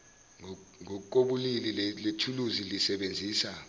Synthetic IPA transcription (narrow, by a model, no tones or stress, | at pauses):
ŋɔkʼoɓulililletʰuluzilisɛɓend͡zʱiːsa